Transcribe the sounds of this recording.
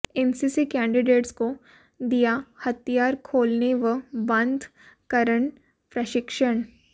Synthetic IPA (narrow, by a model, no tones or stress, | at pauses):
ensisikɛ̃ːɳɖɪɖeːʈsko | d̪ijahɐt̪ijaːɾkʰoːlneʋəbɐ̃nd̪ʱ | kəɾəɳ | pɾɐʃɪkʃəɳ